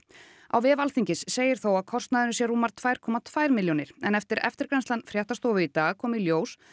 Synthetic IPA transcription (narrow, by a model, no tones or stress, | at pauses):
a̰wvɛːvalθiɲcɪsːeːjɪɾ̥θowaðkʰɔr̥st̪naðɪnʏsjɛruːmaɾ̥t̪ʰvaːjɾ̥kʰɔːmat̪ʰvajɾmɪljownɪɾ̥ɛnɛft̪ɪɾɛ̰ft̪ɪɾkɾanslanfɾjɛht̪ast̪ɔːvʏit̪aːɣkʰɔːmiljoːws